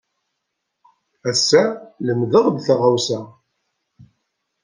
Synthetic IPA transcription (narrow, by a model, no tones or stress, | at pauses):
æsːæləmðəʁd̪θʁawsæ